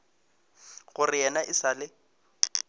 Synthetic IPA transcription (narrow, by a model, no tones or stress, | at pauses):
ɣʊrɪjɛnaʔɪsalɪ